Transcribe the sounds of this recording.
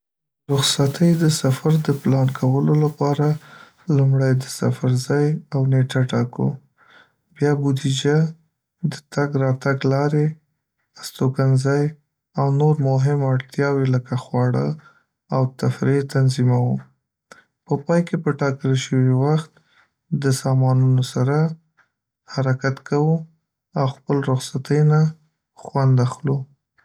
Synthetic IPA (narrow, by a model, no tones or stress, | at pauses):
ɾʊxsat̪ʰəjd̪əsafaɾd̪əplɑnkʰawəlolapɑɾa | lumɽajd̪əsa̰faɾzɑjawneʈaʈɑko̰ | bjɑbud̪id͡ʒa | d̪ət̪aɡɾɑt̪aɡlɑɾe | ast̪okanzaj | awnoɾmʊɦɪmaɽt̪jɑweləkaxwɑɽə | awt̪afɾet̪anzimawu | pəpɑjkepəʈɑkəlʃəwiwaxt̪ | d̪əsɑmɑnunosaɾa | haɾakat̪kʰawu | awxpəlɾʊxsat̪əjna | xwand̪axlu